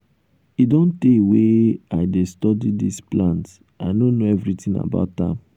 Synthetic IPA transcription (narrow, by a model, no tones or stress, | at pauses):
idɔ̃nteweaɪdestɔdidisplãnt | aɪnõnoɛvɾitĩna̰ba̰ʊtã̰m